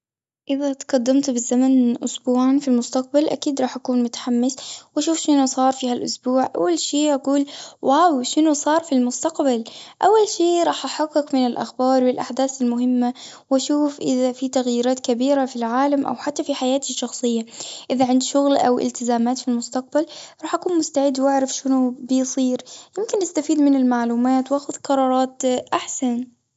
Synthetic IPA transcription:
ʔɪðat̪qɑd̪ːɪmt̪bɪzːamanʔʊsbuːʕanfilmʊst̪aq̚balʔa̰kiːd̪ɾˤɑːħʔakuːnmʊt̪ḁħamːɪswʔaʃuːfʃɪnusˤɑːɾˤfiːhalʔʊsbuːʕʔa̰wːalʃiːʔaquːlwawʃɪnusˤɑːɾˤfilmʊst̪aqbalʔawːalʃiːɾˤɑːħʔaħaqːɪkmɪnɪlʔa̰xbɑːɾˤwɪlʔaħd̪aːθɪlmʊhɪmːa | wʔaʃuːfʔɪðafit̪aɣjiːɾaːt̪kabiːɾafilʕaːlamʔa̰wħat̪ːafiħajaːt̪ɪʃːɑxsˤɨjːaʔɪðaʕɪnd̪ʃʊɣlʔa̰wʔɪ̰lt̪ɪzaːmaːt̪filmʊst̪aq̚balɾˤɑːħʔakuːnmʊst̪aʕɪd̪wʔaʕɾˤafʃɪnʊbɪjsˤiːɾjɪmkɪnʔɪst̪afiːd̪mɪnɪlmaʕluːmaːt̪wʔaːxʊðqɑɾˤɑːɾˤɑːt̪ʔaħsan

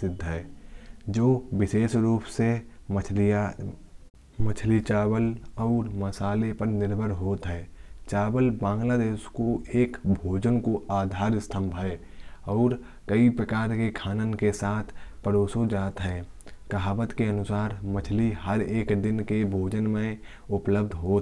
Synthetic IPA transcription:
ɪd̪ʱːɦɛːd͡ʒoːʋɪʃeːʃɾuːpse | mət͡ʃʰlit͡ʃaːwəlɔːɾməsaːlepəɾnɪɾbʱəɾɦoːt̪ɦɛ̃ːt͡ʃaːʋəlbãːŋɡlaːd̪eːʃkoeːkbʱoːd͡ʒənkoaːd̪ʱaːɾɪst̪ʰə̃mbʱɦɛːɔːɾ | kəipɾəkaːɾkekʰaːnənkesaːt̪ʰpəɾoːsod͡ʒaːt̪ɦɛːkəɦaːʋət̪keənʊsaːɾmət͡ʃʰliɦəɾeːkd̪ɪnkebʱoːd͡ʒənmẽ | ʊpləb̚d̪ʱɦoːt̪

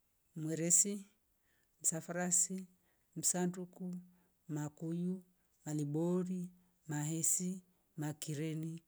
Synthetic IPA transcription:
mwɛɾɛsi | m̩safaɾasi | m̩sanduku | makuju | malibɔɾi | mahɛsi | makiɾɛni

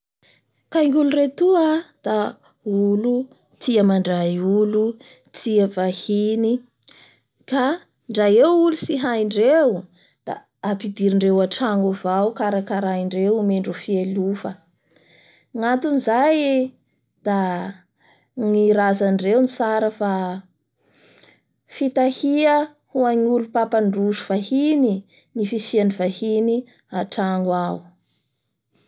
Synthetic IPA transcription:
kajŋuluret̪uad̪̥a | ulu | t̪iəmaɳɖ͡ʐajulu | t̪iəvahini | ka | ɳɖ͡ʐajewulusiɦaiɳɖ͡ʐew | d̪̥a̰ː | pid̪iɾiɳɖ͡ʐewaʈ͡ʂaŋuvawkaɾakaɾaiɳɖ͡ʐewmeɳɖ͡ʐufielufə | ŋat̪unizaj | d̪̥a | ŋiɾazanɖ͡ʐeunit͡saɾəfa | fit̪ahiə | huaɲulupapaɳɖ͡ʐuʃuv̥ahini | nifisianivahini | aʈ͡ʂaŋɡwau

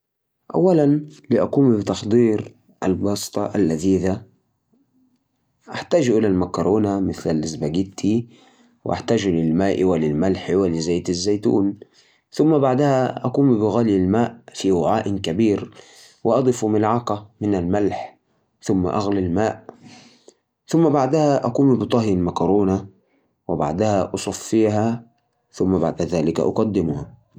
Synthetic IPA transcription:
ʔa̰wːalanlɪʔaquːmbɪt̪ɑxd̪ˤiːɾ | ʔa̰lbɑːsˤt̪ˤɑʔalːaðiːða | ʔaħt̪aːd͡ʒʔɪlalmakɾˤoːnamɪθlalʔɪzbaɡɪt̪ʰːi | wɪ̰ʔa̰ħt̪aːd͡ʒlɪlmaːʔwalɪlmalħwalɪzaːt̪azːajt̪ṵːn | θʊmːabaʕd̪ahaʔakuːmbɪɣaːljalmaːʔfiwaʕaːʔɪnkabiːɾ | wɪʔɑd̪ˤɨfmɪlʕɑqɑmɪnalmalħ | θʊmːa̰ʔaɣlalmaːʔ | θʊmːabaʕd̪ahaʔaquːmbɨt̪ˤɑɦjanmakɑɾˤuːna | wɪba̰ʕd̪ahaʔɑsˤɑfːiːɦa | θʊmːabaʕd̪aðaːlɪka̰ʔɑ̰qɑd̪ːɪmʊha

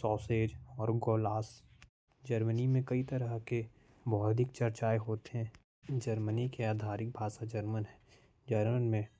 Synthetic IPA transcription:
sɔːseːd͡ʒɔːɾɡoːlaːs | d͡ʒəɾmənimẽkɐit̪əɾəɦke | bɔːd̪ʱɪkt͡ʃɐɾt͡ʃaːeɦoːt̪eɦɛ̃ | d͡ʒəɾmənikeaːd̪ʱaːɾɪk̚bʱaːʃad͡ʒəɾmənɦɛ | d͡ʒəɾmənmẽ

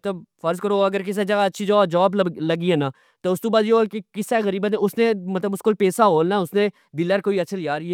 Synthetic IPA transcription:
t̪ləbfʰəɾskəɾoːəɡəɾkɪs̬eːd͡ʒəɡaːətːʃʰiːd͡ʒɔːd͡ʒɔːbləɡiɦɛ̃ːnãː | t̪oːʊsd̪ũːbaːd̪jeɦoːkekɪseːɣəɾiːbət̪ẽʊsnẽːmət̪ləbʊskolpeːsaːɦoːlnaːʊsnẽː | b̪ɪləɾkoːiːəːʃʰəlɪjaːɾi

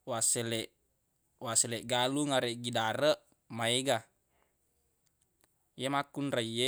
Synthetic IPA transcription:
wasɛlɛʔ | waselɛʔɡaluŋaɾeʔɡidaɾəʔ | maeɡa | jemakunraije

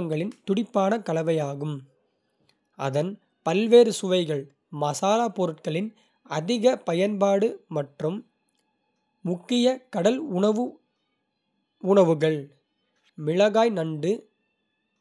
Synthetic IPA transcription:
ɐŋɡɐɭɪnt̪ʊɽɪpːaːnɐkɐlɐʋɐjaːɣɯm | ʔɐ̰ðɐn | pɐlʋeːɾɯsʊʋɐɪɣɐɭ | mɐsaːlaːpːɔɾɯʈkɐɭɪn | ɐðɪɣɐpɐjɐnpaːɽɯmɐʈrɯm | ʊkːɪjɐkɐɽɐlɐʋɯ | ʊɳɐʋɯɣɐɭ | mɪɻɐɣaːjnɐɳɖɯ

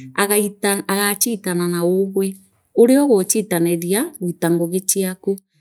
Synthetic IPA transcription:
aɣaitaaɣat͡ʃiːtananaoɣwɛ | oɾeɔɣot͡ʃitanɛɾiaɣwitaŋɡoɣet͡ʃiaku

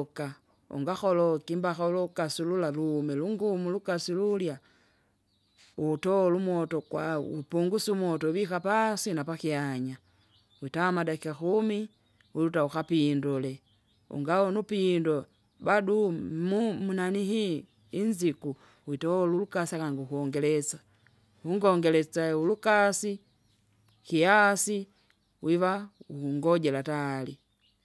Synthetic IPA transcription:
ka | ṵŋɡaxɔlɔkimbaxaulɔkasululaluːmɛluŋɡumulukasilulja | utɔɔlumɔtɔkwaipuŋɡusumwɔtɔbikapasinapakiaɲa | witamadakiaxumi | wilutauxapindɔlɛ | ṵŋɡaɔnupindɔ | badumumunaniɦi | inziku | witɔɔlulukasiakaŋɡukuɔŋɡɛlɛt͡sḁ | huŋɡɔŋɡɛlɛt͡saulukasi | kiasi | wʔivauuŋɡɔɟɛlatali

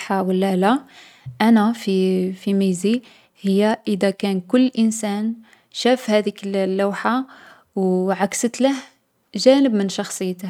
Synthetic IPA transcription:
ħawəlːæla | ʔænæfifimizi | həjːaʔəd̪ækænkʊlːʔənsæn | ʃæfhæd̪ikllːawħa | wʕaksət̪ləh | ʒænəbmənʃɑxsˤəjːt̪əh

